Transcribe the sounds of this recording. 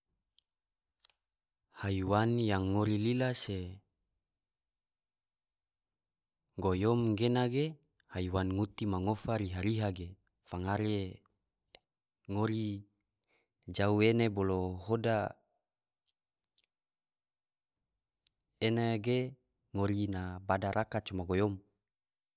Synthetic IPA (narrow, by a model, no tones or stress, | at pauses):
haiwanjaŋːoɾililase | ɡojomɡenaɡe | haiwanŋut̪imaŋofaɾiɦaɾiɦaɡe | faŋaɾe | ŋoɾi | d͡ʒaueneboloɦoda | enaɡe | ŋoɾinabadaɾʔakat͡ʃomaɡojɔm